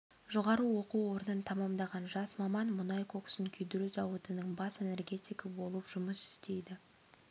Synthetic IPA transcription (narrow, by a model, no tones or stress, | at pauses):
ʒoʁɑɾuwo̞quwo̞ɾənənt̪ʰɑmɑmd̪ɑʁɑnʒɑsmɑmɑnmʊnɑjkʰo̞ksəŋkʲʰʏjd̪ɪɾyzɑwət̪ənəɴbɑse̞ne̞rɡʲe̞t̪ʲijkəbo̞lˠəpʒ̥ʊməsɪ̥st̪e̞jd̪ɪ